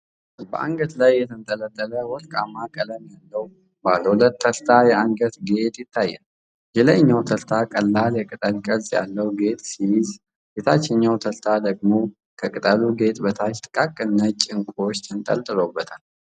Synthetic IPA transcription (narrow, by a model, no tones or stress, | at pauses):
bə̰ʔa̰ŋɡət̪lajːɛt̪ʰənt̪ʼələt̪ʼːələwɔlkʼamːakʼələmjalːəw | baləwulət̪ːəlt̪ʰajɛaŋɡət̪ɡe̞t̪jɪt̪ʰːajːɛ̰n | jɛləɲːawt̪ʰəlt̪ʰakʼəlːaljɛkʼɨt̪ʼəlkʼəzja̰lːəwɡe̞t̪ʼsijɪz | jet̪ʰat͡ʃːɛɲːawt̪ʰəlt̪ʰad̪əɡmo | kʰəkʼɨt̪ʼəluɡe̞t̪bət̪ʰat͡ʃt̪ʼkʼakʼɨnːət͡ʃʼɪŋkʷʼo̞t͡ʃːt̪ʰɨnt̪ʼə̰lt̪ʼɨlobːət̪ʰal